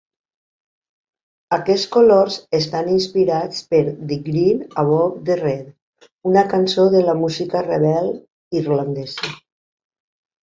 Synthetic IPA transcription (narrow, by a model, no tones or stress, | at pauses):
akɛt͡sskoloɾzest̪aninspiɾat͡speɾd̪iɡɾinaβɔpd̪erɛt̪ | unakansoðelamuzikareβɛl | irland̪ɛzə